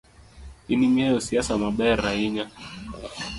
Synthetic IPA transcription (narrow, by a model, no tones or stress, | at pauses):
inimiajɔsiasamaɓaɾaiɲa